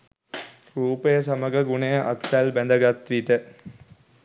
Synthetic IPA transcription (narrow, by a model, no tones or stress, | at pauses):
ɾuːpəjəsɐməɡɐɡunejəʔɐ̰t̪ːælbænd̪ɐɡat̪ɾiːʈə